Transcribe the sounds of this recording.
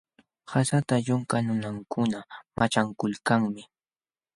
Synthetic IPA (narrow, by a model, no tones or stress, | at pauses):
hasat̪aʎʊŋkanʊnaŋkʰʊnamʔat͡ʃaŋkʊlkaŋmɪ